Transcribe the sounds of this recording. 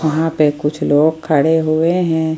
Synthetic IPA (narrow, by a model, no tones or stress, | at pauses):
ɐɦãpekʊt͡ʃʰloːɡ̚kʰəɽeɦoeɦɛ̃ː